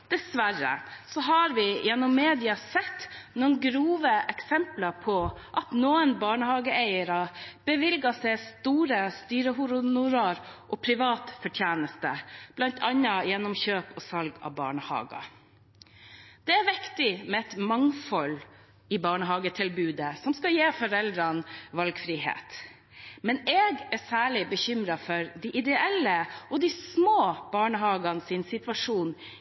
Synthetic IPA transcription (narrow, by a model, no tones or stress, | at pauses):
d̪̥ɛsʋæɾə̰sɔɦɑɾʋɪjɛnːɔmːeːd̪ɪɑsɛt̪ːnuːnɡɾuːʋəʔɛksɛmplɑɾpʰɔʔɑt̪nuːənbɑːɳəhɑːɡəæɪəɾɑb̥əʋɪlɡɑsɛɪst̪uːɾəst̪yːɾəɦʊɾʊnʊɾɑɾʔoːpʰɾɪʋɑːt̪fɔʈʰjæːnəst̪əb̥lɑnt̪ʰɑnːɑjɛnːɔmçøːpɔsɑlɡɑ̰ʋbɑ̰ːɳəhɑ̰ːɡɑ̰ | d̪̥ɛæɾʋɪkt̪ɪmɛɛt̪mɑŋfɔl | ɪbɑːɳəɦɑːɡət̪ʰɪlbʉːd̪əsɔmskɑjeːfɔɾɛld̪ɾɑnʋɑlɡfɾiːɦḛːt̪ | mɛneːɡæsæːɭɪbəçʏmɾɑfɔɾd̪iʔɪd̪ɛɛlːəʔɔd̪ismoːb̥ɑːɳəɦɑːɡɑnsɪːnsɪt̪ʋɑʂuːn